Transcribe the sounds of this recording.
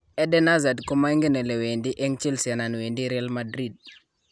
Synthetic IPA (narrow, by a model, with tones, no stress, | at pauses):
ɛ˦dɛ˦na˦za˨dku˦ma˦ŋɡi˦ne˨le˨we˨ndi˦ʔɛ˦ŋt͡ʃi˦lsja˨na˨nwendi˦ɾialmadɾid̚